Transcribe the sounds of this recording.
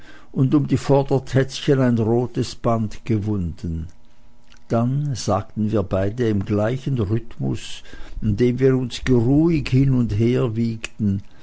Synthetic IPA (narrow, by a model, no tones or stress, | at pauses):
ʔʊndʊmdiːfɔɐdɐtʰɛt͡sçənaɪnʁoːtəsb̥antɡ̥əvʊndən | d̥anz̥aːk̚tn̩viːɐbaɪdəɪmɡlaɪçənʁʏtmʊ̰sɪndeːmviːɾʊnsɡ̥əʁuːɪçhɪnʊntɦeːɐviːktn̩